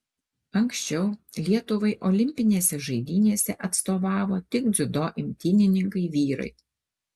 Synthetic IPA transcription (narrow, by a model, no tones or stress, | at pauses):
ɐŋksʲt͡ʃʲɛʊlʲiɛt̪ʊʋɐɪʔɔlʲɪmʲpʲɪnʲeːsʲɛʒɐɪd̪ʲiːnʲeːsʲɛʔɐt̪st̪oːʋɑːʋoːt̪ʲɪkd̪zʲʊd̪oːʔɪmʲt̪ʲɪnʲɪnʲɪŋkɐɪʋʲiːɾɐ̰ɪ